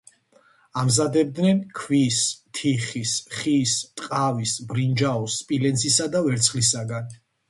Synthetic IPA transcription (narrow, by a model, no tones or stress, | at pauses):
amzad̪ɛb̚d̪nɛnkʰvist̪ʰiχisχist̪ʼqʼavisbɾind͡ʒaɔsːpʼilɛnsʰisad̪avɛɾt̪sʰχlisaɡan